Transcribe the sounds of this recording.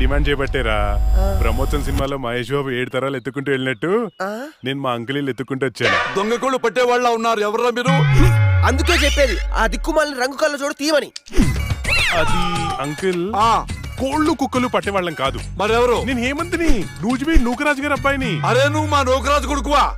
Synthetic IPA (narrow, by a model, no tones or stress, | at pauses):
ɖimaːɳɖt͡ʃɛjɐbɐʈːeːɾa̰ːpɾɐmoːsɐnsinimaːlo̞ːmɐɦeːʃbaːbueːɽut̪ɐɾaːlet̪ːukːuɳʈuːeɭinɐʈːune̞ːnumaːɐŋkɐliːlet̪ːukːuɳʈuːʋɐt͡ʃːaːnud̪ɔŋɡɐkoːɭːupɐʈːeːʋaːɭːaːunːaːɾuɛʋɐɾɐmbinuːɐnd̪ukeːt͡ʃɛpːeːɾiɐ̰d̪ikːumaːlniɾɐŋɡukɐlːɐt͡ʃoːɽut̪iːɐmɐni | ɐd̪iɐŋkilaːkoːɭːukukːɐlupɐʈːɛʋaːɭːɐnkaːd̪umɐɾɛʋɐɾuneːnueːmɐnd̪ɐninuːd͡ʒmiːnuːkɐɾaːd͡ʒɡaːɾɐbːaːjɐniɐɾeːnumaːnoːkɐɾaːd͡ʒukuɽuk̬uʋaː